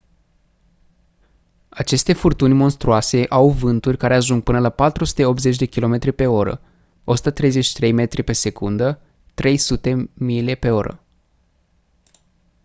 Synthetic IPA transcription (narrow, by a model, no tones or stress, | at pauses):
at͡ʃe̞st̪e̞furt̪unʲmo̞nst̪ɾuase̞ʔawvɨnt̪urʲkaɾe̞aʒuŋɡ̚pɨnəlapat̪ɾusu̥t̪eo̞p̚t̪ze̞t͡ʃʲd̪e̞kʲilo̞me̞t̪ɾʲipe̞o̞ɾə̰ | o̞su̥t̪ət̪ɾe̞jze̞t͡ʃʃi̥t̪ɾe̞jme̞t̪ɾipe̞se̞kund̪ə | t̪ɾe̞jsut̪e̞milepe̞o̞ɾə̰